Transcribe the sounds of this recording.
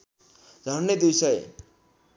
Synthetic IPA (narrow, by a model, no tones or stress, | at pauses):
d͡zʱʌnːed̪isʌj